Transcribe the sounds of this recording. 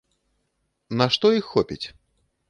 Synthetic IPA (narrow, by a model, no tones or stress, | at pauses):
nɐʂt̪ɔixːɔpʲḭt͡sʲ